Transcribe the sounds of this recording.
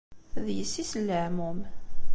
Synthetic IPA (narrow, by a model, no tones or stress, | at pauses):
ðjəsːisəlːəʕmum